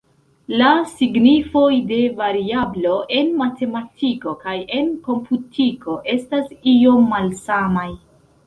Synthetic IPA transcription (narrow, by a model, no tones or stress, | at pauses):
lasiɡnifo̞jde̞vaɾiablo̞ʔe̞nmate̞matʰiko̞kaje̞nko̞mputʰiko̞ʔe̞stasio̞mːalsamaj